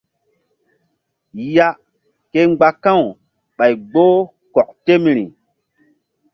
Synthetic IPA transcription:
ja˦ | ke˦ŋ͡mɡ͡ba˨kã˦˨w | ɓa˨jɡ͡bo˦ | kɔ˨k̚te˦mɾi˨

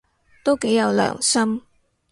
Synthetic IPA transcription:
t̪o˥wke˨˥jɐ˨˧wlœ̰ː˨˩ŋsɐ˥m

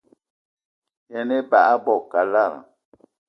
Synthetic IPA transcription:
jɛ˦˨ne˦ba˨a˦bɔ˦˨ka˨la˦˨ɾa̰˨

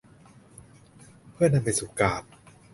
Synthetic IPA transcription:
pʰɯ˥˩ɐna˧mpa˧jsuː˨˩˦kaː˨˩p̚

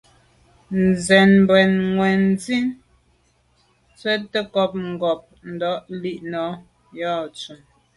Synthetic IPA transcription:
nzɛ˨nm˨bwɛ˨nŋwɛ˨n˦zi˦n | t͡sɛ˦tːə˦kɔ˦p̚ŋ̩˨ɡɔ˨p̚n̩˨dɔ˨˦ʔli˦ʔnɔ˨˦ | jɔ˦˨t͡su˨m

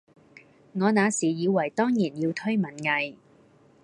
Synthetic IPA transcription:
ŋɔː˨˧naː˨˧siː˨˩jiː˨˧wɐ˨˩jt̪ɔː˥ŋjiː˨˩njiː˧wt̪ʰɵ˥ɥmɐ˨˩nŋɐ˨˧j

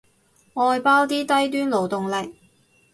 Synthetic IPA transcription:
ŋɔː˧jpaː˥wt̪iː˥t̪ɐ˥jt̪̬yː˥nlo˨˩wt̪ʊ˨ŋlɪ˨k̚

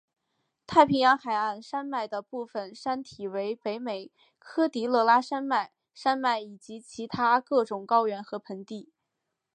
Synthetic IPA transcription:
t̪ʰa˥˩ɪpʰi˧˥ŋjɑ˧˥ŋxa˨˩ɪa˥˩nʂa˥nma˥˩ɪd̪ə˩pu˥˩fə˩nʂa˥nt̪ʰi˨˩we˧˥ɪpe˧˥ɪme˨˩ɪ | kʰɤ˥t̪i˧˥lɤ˥˩˧la˥ʂa˥nma˥˩ɪ | ʂa˥nma˥˩ɪi˨˩t͡ɕi˧˥t͡ɕʰi˧˥t̪ʰa˥kɤ˥˩ʈ͡ʂʊ˨˩ŋkɑ˥ʊɥɛ˧˥nxɤ˧˥pʰə˧˥ŋt̪i˥˩

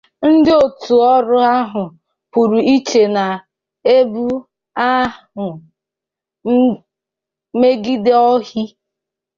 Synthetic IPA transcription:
n̩˦dɪ˦o˨tu˨ɔ˦ɾʊ˦a˦ɦʊ˨ | pu˨ɾu˨i˦t͡ʃe˨na˨ | e˦bu˦ | a˦ | ʊ˨˦ | me˦ɡi˦de˦ɔ˦ɦi˦

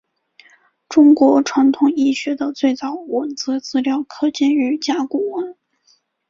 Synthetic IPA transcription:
ʈ͡ʂʊ˥ŋkwɔ˧˥ʈ͡ʂʰwa˧˥nt̪ʰʊ˨˩ŋi˥˩ɕɥɛ˧˥d̪ə˧t͡swe˥˩ɪt͡sɑ˨˩ʊwə˨˩nt͡sɹ̩˥t͡sɹ̩˥ljɑ˥˩ʊkʰɤ˥t͡ɕjɛ˥˧ny˧˥t͡ɕja˥ku˨˩wn

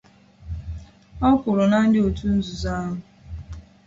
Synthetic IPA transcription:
ɔ˦kʷʊ˨ɾʊ˨na˦n̩˦dɪ˦o˨tu˦n̩˦zu˨za˦ɦʊ˨

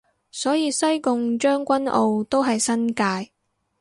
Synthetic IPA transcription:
sɔː˨˥jiː˨˧sɐ˥jkʊ˧ŋt͡ʃœː˥ŋkʷɐ˥nʔo̰˨˧wt̪o˥wɦɐ˨jsɐ˥nkaː˧j

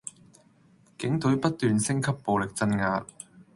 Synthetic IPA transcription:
kɪ˨˥ŋt̪ɵ˨˥ɥpɐ˥t̚t̪ːyː˨nsɪ˥ŋkʰɐ˥pːo˨wlɪ˨k̚t͡sɐ˧nŋaː˧t̚

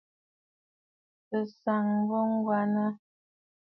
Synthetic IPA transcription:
tə˨sa˨ŋbɔ˦ŋ̩˦ɡwa˦nə˦

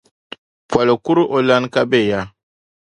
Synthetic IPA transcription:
pwa˨lo˨ku˦ɾʔo˨la˦nka˦be˦˨ja˦

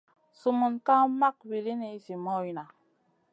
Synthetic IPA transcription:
su˨mu˨nka˦ma˦k̚wi˨li˦ne˨i˦si˨mɔ˦i˨na˨

